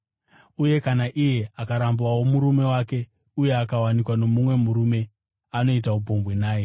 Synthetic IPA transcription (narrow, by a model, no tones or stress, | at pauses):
uje̞kanaʔije̞akaɾambwawo̞muɾume̞wake̞ | uje̞akawanikwano̞mumwe̞muɾume̞ | ano̞it̬aubo̞mbwenaːje̞